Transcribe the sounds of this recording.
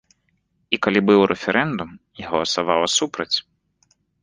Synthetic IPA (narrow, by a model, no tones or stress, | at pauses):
ikalʲibɨwɾʔɛfʲɛɾʔɛnd̪umjaɣɐɔlˠɐsavawɐsupɾɐt͡sʲ